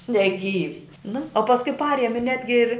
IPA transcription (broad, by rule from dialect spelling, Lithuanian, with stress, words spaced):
nʲɛˈɡʲiːʋʲɪ nʊ oː pɐsˈkʊɪ ˈpɑːrʲiɛmʲɪ ˈnʲæːdʲɡʲɪ ɪrʲ